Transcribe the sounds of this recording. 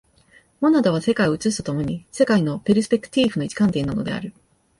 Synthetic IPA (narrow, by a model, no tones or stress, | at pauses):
monad̪oβ̞ase̞kaioɯ̟t͡sɨɕi̥t̪ot̪o̞mo̞ɲ̟ise̞kaino̞pe̞ɾɯsɨ̥pʲe̞kɯ̟̥t̪ʲiːɸɯ̟no̞it͡ɕi̥kãnt̪e̞ːnːano̞̰d̪e̞a̰ɾɯ̟